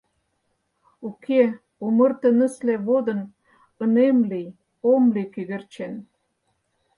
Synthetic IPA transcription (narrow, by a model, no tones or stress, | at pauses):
ukʰe | omə̆rt̪ə̆nə̆sleβod̪ə̆n | ə̆nemlij | omlikyɣert͡ɕen